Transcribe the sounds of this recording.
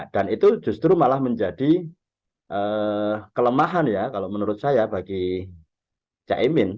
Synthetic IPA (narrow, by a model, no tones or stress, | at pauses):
d̥anit̪ud͡ʒust̪ɾumalahməɲd͡ʒadi | ʔəkələmaɦanjakalomənuɾʊt̪̚sajabaɡi | t͡ʃa̰ʔemɪn